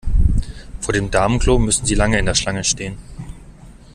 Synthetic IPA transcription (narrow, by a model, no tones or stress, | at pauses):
foːɐɾeːmdaɐmənkl̥oːmʏsn̩ziːlaŋəɪndeːɐʃlaŋəʃteːən